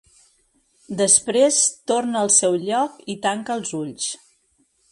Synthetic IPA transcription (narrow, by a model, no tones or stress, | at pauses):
d̪əspɾest̪ornəəːlˠsɛwʎɔkit̪aŋkəːlˠzuʎs